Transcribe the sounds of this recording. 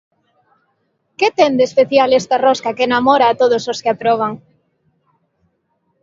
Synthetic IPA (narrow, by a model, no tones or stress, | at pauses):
ket̪end̪espeθjalest̪aroskakeːnamoɾaːt̪oðososkeapɾoβ̞aŋ